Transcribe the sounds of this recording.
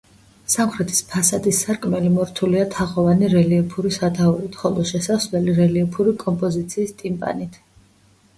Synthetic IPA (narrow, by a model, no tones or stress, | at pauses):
samχɾɛt̪ʰi̥spʰasad̪isaɾkʼmɛlimɔɾt̪ʰuliat̪ʰaʁɔvaniɾɛliɔpʰuɾisat̪ʰauɾit̪ʰχɔlˠɔʃɛsaslɛliɾɛliɔpʰuɾikʼɔmpʼɔzit̪sʰiːst̪ʼimpʼa̰nit̪ʰ